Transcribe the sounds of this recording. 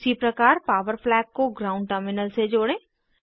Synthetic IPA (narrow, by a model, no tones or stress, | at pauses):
sipɾəkaːɾpaːʋəɾplɛːkkoɡɾaːʊ̃ɳɖ̚ʈəɾmɪnəlsed͡ʒoːɽẽː